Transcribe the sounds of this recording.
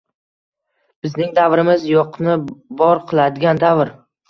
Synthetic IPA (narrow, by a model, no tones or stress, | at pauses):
b̥ɪznɪŋd̪avɾɪmɪzjɒqʰnɪbɒɾqʰɨlˠad̪ɪɡʲand̪avɾ